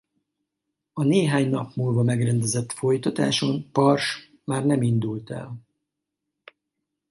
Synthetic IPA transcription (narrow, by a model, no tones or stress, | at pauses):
ɒneːɦaːɲnɒpmuːlvɒmɛɡrɛnd̪ɛzɛt̪ːfo̞jt̪ɒt̪a̰ːʃo̞npɒrʃ | maːrnɛmind̪ult̪ɛ̰l